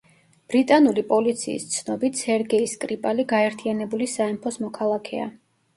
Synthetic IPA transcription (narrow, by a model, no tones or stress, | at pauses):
b̥ɾit̪ʼanulipʼɔlit̪sʰḭːst̪sʰnɔbit̪ʰsɛɾɡɛiskʼɾipʼaliɡaɛɾt̪ʰianɛbulisaɛmpʰɔsmɔkʰalˠakʰɛa̰